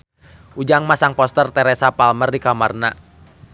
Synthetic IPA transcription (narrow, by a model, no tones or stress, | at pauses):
ʔud͡ʒaŋmasaŋpɔst̪ərt̪ɛɾɛsapalmərdikamarna